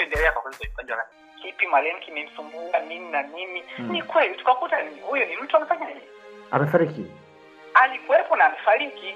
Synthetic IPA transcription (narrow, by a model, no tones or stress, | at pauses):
ɛndɛlɛakwakwɛlikalifand͡ʒwana | kipimalɛŋ̩kʰimɛm̩sumbuanininanininikʰwɛlitu̥kakutanihujɔnim̩tʰuam̩faɲaɲɛ | a̰mɛfaɾiki | alikuwɛpɔnaːmifaɾiki